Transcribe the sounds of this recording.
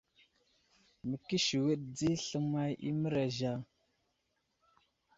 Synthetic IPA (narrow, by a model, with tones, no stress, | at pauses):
mə˨ki˦ʃi˨wə˦ɗ̚d͡zi˦ɬə˦ma˦jḭ˦mə˦ɾa˨ʒa˨